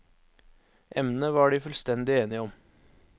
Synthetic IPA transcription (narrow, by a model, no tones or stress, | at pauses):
ʔɛmnəʋɑːɖiːfʉlst̪ɛnd̪ɪeːnɪəɔm